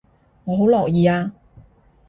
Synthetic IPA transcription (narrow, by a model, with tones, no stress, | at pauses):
ŋɔː˨˧ɦo˨˥wlɔː˨k̚jiː˨˧aː˧